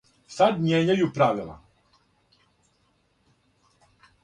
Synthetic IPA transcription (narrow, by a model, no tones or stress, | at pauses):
sad̪ɲɛɲɛjupɾavila̰